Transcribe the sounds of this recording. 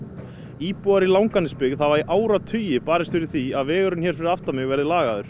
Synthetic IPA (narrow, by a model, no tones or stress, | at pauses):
iːpɔaɾilawŋkanɪspɪɣðavaɾiʔaːwɾat̪ʰʏːjɪpaːɾɪst̪fɪɾɪɾ̥θiaðvɛːɣʏɾʏnçɛːɾ̥fɪɾɪɾaft̪amɪɣvɛɾðɪlaːɣaðʏɾ̥